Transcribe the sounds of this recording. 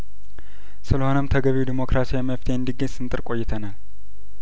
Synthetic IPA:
sɨləho̞nəmt̪ʰəɡəβiwd̪imo̞kɾasijɛməft̪ʰe̞ɨnd̪iɡəɲsɨnt̪ʼɨɾkʼo̞jːɪt̪ʰənal

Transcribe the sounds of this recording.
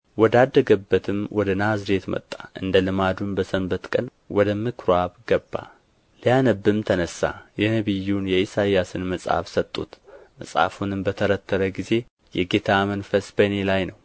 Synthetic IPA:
wɔd̪ad̪ːəɡəbːət̪ʰɨmwɔd̪ənazɾe̞t̪mə̰t̪ʼːaʔɨ̰nd̪əlɨmad̪unbəsəmbət̪kʼən | wɔd̪əmɨkʰɾwaβɡəbːa̰ | lijanəbːɨmt̪ʰənəsːa̰jɛnəβɨjːunjɛisajasɨnməsʼha̰fsət̪ʼːṵt̪məsʼha̰funɨmbət̪ʰəɾət̪ʰːəɾəɡize̞ | jɛɡe̞t̪ʰamənfəsbənelajnəw

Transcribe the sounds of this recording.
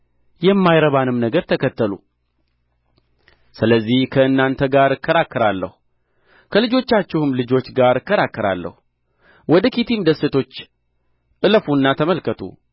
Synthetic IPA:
jɛmːajɾəβanɨmnəɡəɾt̪ʰəkʰət̪ːəlṵ | sɨləzːihkʰəɨnːant̪ʰəɡaɾɨkʰːəɾakːəɾalːə̰h | kʰəlɨd͡ʒo̞t͡ʃːat͡ʃːɪhɨmlɨd͡ʒo̞t͡ʃːɡaɾɨkːəɾakːəɾa̰lːə̰hu | wɔd̪əkit̪ʰimd̪əsːɨt̪ʰo̞t͡ʃː | ʔɨləfunːat̪ʰəməlkət̪ʰṵ

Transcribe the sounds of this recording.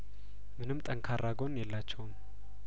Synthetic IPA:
mɨnɨmt̪ʼəŋkʰaɾːaɡo̞njɛlːat͡ʃːɛwm

